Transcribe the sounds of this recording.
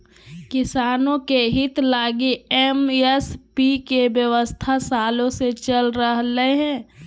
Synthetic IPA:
kɪsaːnõkeɦɪt̪laːɡiɛmɛspikebjəʋəst̪ʰasaːlõset͡ʃəlɾəɦleɦɛ̃ː

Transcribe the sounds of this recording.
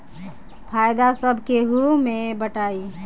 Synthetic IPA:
pʰajd̪asəbʱkeɦumebəʈai

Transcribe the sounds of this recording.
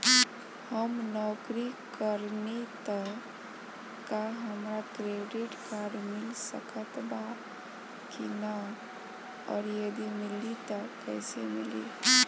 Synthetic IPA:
həmnɔːkɾikəɾnet̪ə | kaɦəmɾakɾeɖɪʈkaɾɖmɪlsə̰kət̪ba | kina | ɔːɾjəd̪imɪlit̪əkɛɪsemilḭ

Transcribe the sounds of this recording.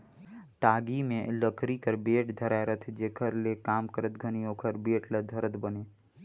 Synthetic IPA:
ʈaːɡimẽləkɾikəɾbeːʈd̪ʱəɾaeɾət̪ʰd͡ʒeːkʰəɾlekaːmkəɾət̪ɡʱənioːkʰəɾbeːʈləd̪ʱəɾət̪bəneː

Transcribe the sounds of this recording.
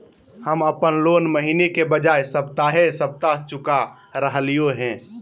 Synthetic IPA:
həməpənloːnməɦinekebəd͡ʒaːesəbt̪aːɦesəb̚t̪aɦt͡ʃʊka | ɾəɦlijoɦɛ̃ː

